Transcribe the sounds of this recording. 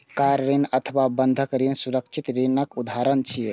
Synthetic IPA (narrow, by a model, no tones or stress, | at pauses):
kaɾɾinət̪ʰəβabənd̪ʱəkɾinsuɾəkt͡ʃʰit̪ɾinəkud̪ʱaɾənt͡ʃʰi